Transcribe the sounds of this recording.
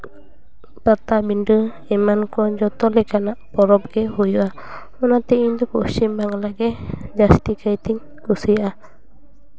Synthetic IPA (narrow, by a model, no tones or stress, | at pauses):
pat̪abində | imankɔɲd͡ʒɔt̪ɔlɛkanaʔpɔɾɔp̚ɡ̥ɛhujua | unat̪iind̪ukusimbaŋlaɡɛd͡ʒast̪ikajt̪iɲ | kusia